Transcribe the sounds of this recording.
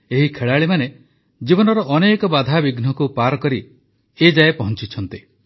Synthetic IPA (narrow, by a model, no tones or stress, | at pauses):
eɦikʰeɭaɭimane | d͡ʒibɔnɔɾɔʔɔnekɔbad̪ʱabiɡn̤ɔkupaɾɔkɔɾi | ed͡ʒaepɔɦɔnt͡ʃit͡ʃʰɔnt̪i